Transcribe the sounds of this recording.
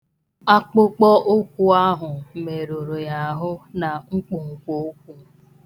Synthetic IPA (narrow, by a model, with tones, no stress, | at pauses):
a˦k͡pʊ˦k͡pɔ˦ʔʊ˦kʷu˦a˦ɦʊ˨me˨ɾo˨ɾo˨ja˨ɦʊ˦na˨ŋ͡m̩˦k͡pʊ˨ŋ̩˨ko˦o˦k̚ʷu˦